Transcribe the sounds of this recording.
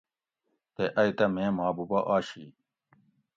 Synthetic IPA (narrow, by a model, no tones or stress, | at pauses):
t̪eʔɐit̪ɐmẽːmaːbubɐʔaːɕi